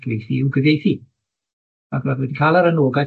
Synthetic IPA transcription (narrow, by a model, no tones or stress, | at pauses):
ɡ̥vejθiɪwɡəvjejθi | aɡvadwɛdikʰaːlˠaɾənoːɡa